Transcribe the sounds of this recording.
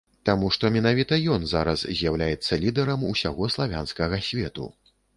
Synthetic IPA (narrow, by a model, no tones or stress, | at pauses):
t̪amuʂt̪ɔmʲɛnavʲit̪ɐjɔnzaɾɐszʲjawlʲajɛt̪sːɐlʲid̪ɛɾɐmusʲaɣɔslˠavʲanskɐɣɐsʲvʲɛt̪ṵ